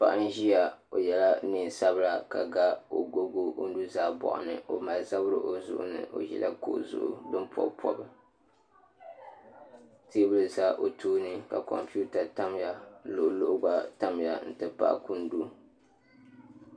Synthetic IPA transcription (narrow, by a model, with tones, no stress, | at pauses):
pa̰˦˨ʔa˦n˦ʒi˦ja˨o˨jɛ˨la˦nɨ˨sa˦bɨ˦ɾa˨ka̰˨ɡa˦o˨ɡo˦ɡo˦ʔo˦n˦du˦zaː˦bɔ̰˨ʔʊ̰˨nɨ̰˨ʔo˨ma˨lza˦bɾɨ̰˨ʔo˨zʊ̰˦ʔʊ˦nɨ̰˨ʔo̰˨jɛ̰˦lʔa˦ko̰˦ʔzʊ̰˨ʔʊ̰˦dɨ˦mpʰɔ̰˦bpʰɔ̰˨bɨ˨ | te˦bɨ˦lɨ˨za˦ʔo˨tʰuː˦nɨ˦ka˨kɔ̰˨mpu˦ta˨ta˦mja˨lo˨ʔlo˦ʔʊ˦ɡa˦ta˦m˦ja˨n̩˨tɨ˨pa̰˦ʔku˦n˦du˦